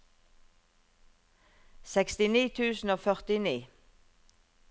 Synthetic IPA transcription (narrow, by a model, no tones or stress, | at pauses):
sɛkst̪ɪniːt̪ʰʉːsn̩oːfœʁt̪ɪniː